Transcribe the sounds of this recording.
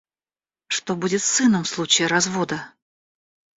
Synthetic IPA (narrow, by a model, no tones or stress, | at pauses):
ʂt̪o̞budʲɪt̪sɨnəmfslˠut͡ɕɪɪɾɐzvo̞d̪ə